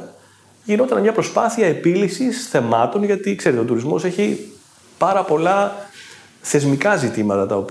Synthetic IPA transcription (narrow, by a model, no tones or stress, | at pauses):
ʝino̞t̪ɐnmɲɐpɾo̞spɐθiɐe̞pilisisθe̞mɐt̪o̞nʝɐt̪ikse̞ɾet̪o̞t̪uɾizmo̞seçi | pɐɾɐpo̞lɐ | θe̞zmikɐzit̪imɐt̪ɐt̪ɐo̞p